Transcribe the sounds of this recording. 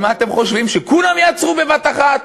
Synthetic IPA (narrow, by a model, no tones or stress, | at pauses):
maːt̪e̞mχo̞ʃvimʃekulamjaat͡sʁube̞vat̪aχat̪